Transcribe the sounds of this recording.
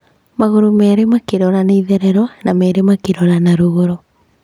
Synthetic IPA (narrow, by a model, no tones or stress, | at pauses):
maɣoɾomɛːɾemakeɾɔɾaneiðɛɾɛɾɔnamɛːɾemakeɾɔɾanaɾoɣoɾo